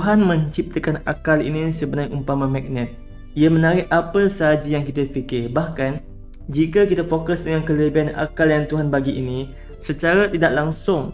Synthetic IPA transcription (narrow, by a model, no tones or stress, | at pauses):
t̪ɦanmə̃ɲt͡ʃip̚t̪əkana̰kalḭnisəbənãjʔumpamamɛk̚nɛt̪̚ | iamə̃naɾɪhʔapəsəɦad͡ʒajaŋkit̪əfikɪrbahkan | d͡ʒikəkit̪afokʊsdəŋankələbiana̰kaljaŋt̪uɦanbaɡiʔinĩ | sət͡ʃaɾat̪idaʔlaŋsʊŋ